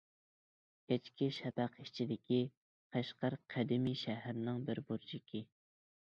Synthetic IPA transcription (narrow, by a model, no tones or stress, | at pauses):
kʲʰɛt͡ʃkʲiʃɛpæqʰiʃt͡ʃʰid̪ɪkʲi | qʰæʃqɑɾqʰæd̪ɪmiʃɛɦæɾnɪŋbɪɾbuɾd͡ʒikʲʰi